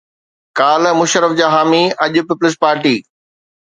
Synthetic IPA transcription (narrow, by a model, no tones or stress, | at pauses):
kaːlmʊʃɾəfd͡ʑaːɦaːmiɐʄʊ̆pɪpʊlɪs̬paːɾʈiː